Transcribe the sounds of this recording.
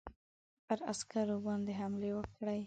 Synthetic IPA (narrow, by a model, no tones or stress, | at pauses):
pəɾaskaɾobɑnd̪eɦamlewəkɽaj